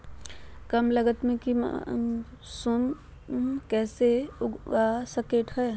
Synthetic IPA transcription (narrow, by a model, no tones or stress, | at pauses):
kɐmlɐɡət̪mẽkḭ | sʊm | kɛːseʊasɐkeːʈɦɛː